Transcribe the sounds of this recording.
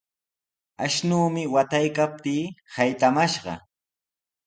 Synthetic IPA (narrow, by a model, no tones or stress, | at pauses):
aʃnuːmɪwat̪ajkap̚t̪iːhajt̪amaʃɢɑ̰